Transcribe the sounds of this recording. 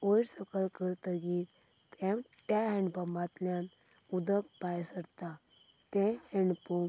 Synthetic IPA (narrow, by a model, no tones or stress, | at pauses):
ojɾsəkəlkəɾt̪əɡit̪ | t̪ẽmʈaɦɛ̃ɳɖbəmbat̪ljãn | ud̪əkpajsəɾt̪a | t̪ɛ̃heɳpum